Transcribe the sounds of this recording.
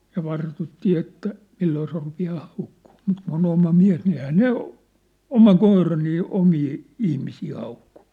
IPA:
jɑ ʋɑrtutːiː etːæ milːoː se rupiɑː hɑukːuː mut kun on omɑ miæ̝s ni ehæː ne omɑ koirɑ niː omiː ihmisiː hɑuku̥

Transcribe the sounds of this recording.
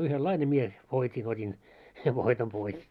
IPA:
yhelːɑine mie ʋoitʲin otʲin seʋ ʋoitom pois

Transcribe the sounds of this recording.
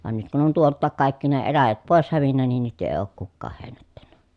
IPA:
ʋɑn nyt kun on tuoltːɑːk kɑˑikːi ne elæjæt poˑes hæʋinːæ nin nyt eˑi̯ oːk kukːɑːh heˑi̯nætːænːæ

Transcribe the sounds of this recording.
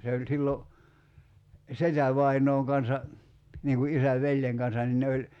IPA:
se olʲ silːo setæʋɑinoːŋ kɑnsɑ niːŋ ku ʔisæʋ ʋelʲjeŋ kɑnsɑn nin ne olʲ

